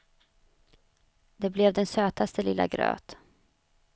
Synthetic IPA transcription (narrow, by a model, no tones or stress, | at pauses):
d̪ɛblɛvd̪ɛnsøːt̪ast̪əlɪlːa̰ɡɾø̰ːt̪